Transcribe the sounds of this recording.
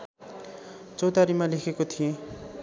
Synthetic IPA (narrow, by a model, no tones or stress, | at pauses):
t͡sʌwt̪aɾimalekʰekot̪ʰijẽ